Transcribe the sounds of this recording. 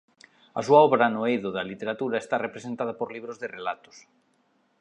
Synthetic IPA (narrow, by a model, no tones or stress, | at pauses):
ɐ̰suaɔβɾanoejðoðalit̪eɾat̪uɾaest̪arepɾesent̪að̞apoɾliβɾozðerelat̪ʊ̥s